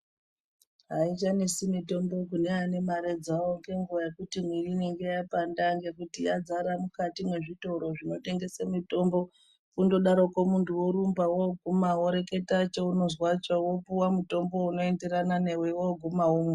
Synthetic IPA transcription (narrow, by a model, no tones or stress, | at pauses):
ɦait͡ʃanisimito̞mbo̞k̬uneane̞maɾed͡zawoŋɡeŋɡuʋaje̞kutimwirineŋɡe̞japandaŋɡe̞kutijad͡zaɾamukatimwe̞ʐito̞ɾo̞ʐino̞te̞ŋɡe̞semito̞mbo̞ | kundo̞ɗaɾokomuntuwoɾumbawoɡʱumawoɾe̞ke̞tat͡ʃouno̞zwat͡ʃowopuwamuto̞mbo̞uno̞e̞nde̞ɾanane̞wewoɡʱumawomwe